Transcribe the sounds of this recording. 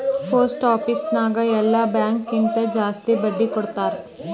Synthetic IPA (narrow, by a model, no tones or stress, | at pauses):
pʰɐɾsʈaːpisnaːɡɐɛlːabjaːŋkːint̪ɐd͡ʒaːst̪ibɐɖːikɔɽt̪aːɾ